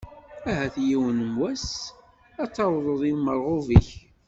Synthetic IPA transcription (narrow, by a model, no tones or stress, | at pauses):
æɦæθjiwənəmwæs | ɑt͡sːɑwðˤəðˤilməɾˤʁoviç